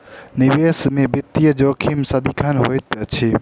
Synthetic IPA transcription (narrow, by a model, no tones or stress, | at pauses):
nɪʋeːsmẽːbɪt̪ːijəd͡ʒoːkʰiːmsad̪ikʰaːnɦo̰ːjt̪ət͡ʃʰeː